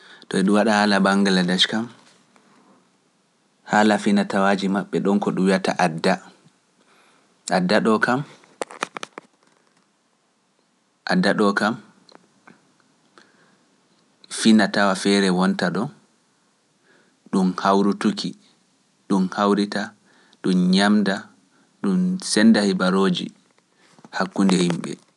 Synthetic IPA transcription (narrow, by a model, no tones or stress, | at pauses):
tɔɛɗuwaɗahaːlabaŋɡaladaʃkam | haːlafinatawad͡ʒimaɓːɛɗɔnkɔɗumwijata̰ʔadːa | ʔadːaɗɔkam | ʔadːaɗɔkam | finatawafɛɾɛwɔntaɗɔ | ɗumhawɾutukʰi | ɗumhawɾita | ɗumɲamda | ɗumsɛndahibaɾoːd͡ʒḭ | hakːundɛhimɓɛ̰